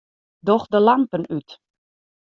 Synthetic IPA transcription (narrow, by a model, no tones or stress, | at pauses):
dɔxdəlampənyt